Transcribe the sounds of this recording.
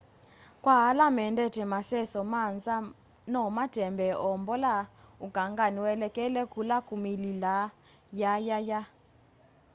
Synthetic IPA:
kʼwaɦalamɛndɛtʰɛmasɛsɔmand͡za | nɔmad̥ʱɛmbɛʔɔmbɔlauɡ̥ʱaŋɡaniwɛlɛkʼɛlɛkulakʼumilila | jajaja

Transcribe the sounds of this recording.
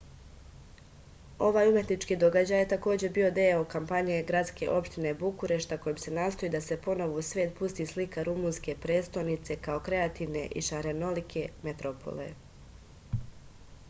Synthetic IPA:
o̞ʋaːjumje̞t̪nit͡ʃkiːd̪o̞ɡad͡ʑaːjet̪ako̞ːd͡ʑe̞bio̞d̪eokampaɲe̞ɡɾad̪ske̞̰ʔo̞pʃt̪inebukuɾe̞ʃt̪ako̞jomse̞naːst̪oiːd̪ase̞po̞no̞ʋousʋʲeːt̪̚pust̪iːslikʰaɾumuːnske̞pɾe̞ːt̪st̪o̞nit̪se̞kao̞kɾe̞at̪iːʋne̞ʔiʃaɾe̞no̞likʰe̞met̪ɾopʰo̰lḛ

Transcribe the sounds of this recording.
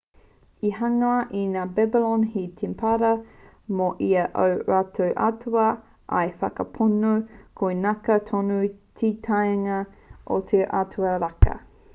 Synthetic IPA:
iɦɐŋɐʔinaːbɛbilonɦit̪ʰimpʰɐɾɐ | moʔiɐʔowɾatʰowʔa̰tʰuɐ | ʔɐ̰jfɐkɐpʰunukʰoenɐkɐt̪ʰonutʰitʰajŋɐʔo̰t̪ʰeʔatʰuɐɾakɐ̰

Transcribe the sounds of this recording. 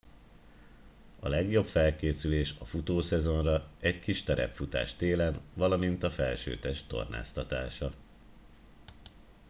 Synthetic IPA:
ɒlɛɡjo̞pfɛlkeːsyleːʃɒfut̪oːsɛzo̞nrɒɛckiʃt̪ɛɾɛ̰pfut̪a̰ːʃt̪eːlɛnvɒlɒmint̪ɒfɛlʃø̰ːt̪ɛʃtt̪o̞̰rna̰ːst̪ɒt̪aːʃɒ

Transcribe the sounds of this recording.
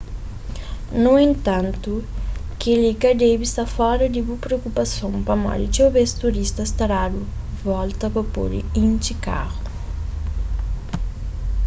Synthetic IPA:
nuẽnt̪ɐ̃nt̪ukelikɐd̪ejbist̪afɔɾɐd̪ibupɾeokupɐsõŋpɐmɔ̰ɾit͡ʃewbest̪uɾist̪ɐst̪aɾad̪ʊ | vɔlt̪ɐpɐpo̰ɾ̰ĩnt͡ʃ̪ika̰ɣʊ̥

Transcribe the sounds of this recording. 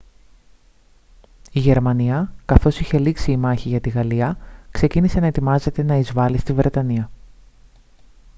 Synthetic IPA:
iʝe̞ɾmɐniɐkɐθo̞siçe̞liksiːmɐçiʝɐt̪iɣɐliɐkse̞cinise̞nɐe̞t̪imɐze̞t̪e̞nɐizvɐlist̪ivɾe̞t̪ɐniɐ

